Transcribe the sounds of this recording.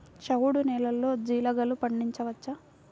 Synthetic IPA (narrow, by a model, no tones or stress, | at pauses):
t͡ʃɐwuɽunɛːlɐlːo̞ːd͡ʒiːlɐɡɐlupɐɳːiɲt͡ʃɐʋɐt͡ʃːɐ